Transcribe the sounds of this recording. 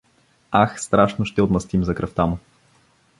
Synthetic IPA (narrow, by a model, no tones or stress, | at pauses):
axst̪ɾaʃnoʃt̪ɛot̪mɐst̪imzɐkɾɐft̪amʊ